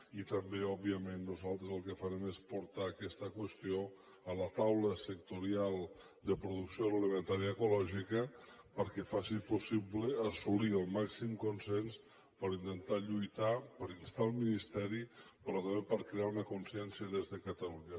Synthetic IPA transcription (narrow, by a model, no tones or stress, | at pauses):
it̪əmbeɔbiəmenːuzalˠt̪ɾəzəlˠkəfəɾɛmespuɾt̪aːkɛst̪əkwəst̪io | ələt̪awləsək̚t̪uɾialˠ | d̪əpɾuðuksijolələmənt̪aɾjəːkulɔʒikəpəɾkɛfasipusiβləːsuliəlˠmaksimkunsɛns | pəɾint̪ənt̪aʎujt̪apəɾinst̪alˠminist̪ɛɾi | pɾɔt̪əmbepəɾkɾeaunəkunsiɛnsiəðezðəkət̪əluɲə